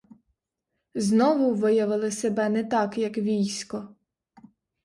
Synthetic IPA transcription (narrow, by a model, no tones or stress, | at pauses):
znɔʋʊʋɪjɐʋɪlˠɪsebɛnɛt̪ɑkjɐkʋʲijsʲkɔ